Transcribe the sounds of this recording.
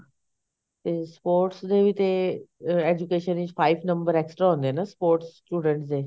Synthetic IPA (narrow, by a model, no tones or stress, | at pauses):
t̪espoːɾʈsd̪eʋit̪e | ed͡ʑukeʃənid͡ʑfaiʋnəmbəɾeksʈɾaɦõnd̪enaspoːɾʈsʈjuːɖə̃ɳʈsd͡z̪e